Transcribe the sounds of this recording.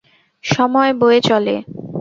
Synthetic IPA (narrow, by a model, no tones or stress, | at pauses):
ʃɔmɔeboet͡ɕɔlḛ